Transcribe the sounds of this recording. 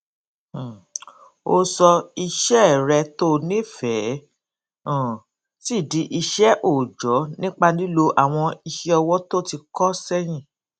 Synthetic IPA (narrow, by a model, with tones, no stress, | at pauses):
o˧sɔ˧i˧ʃɛ˦˨ɾɛ˧to˦˨nĩ˦fɛ˨˦˨ | ti˦˨di˨˦ʔi˧ʃɛ˦ʔo˦˨d͡ʒɔ˨˦nĩ˦k͡pa˧nĩ˦lo˧ʔa˨w̃ɔ̃˧i˧ʃi˦ɔ˧wɔ˦to˦˨ti˧kɔ˦sɛ˦j̃ĩ˦˨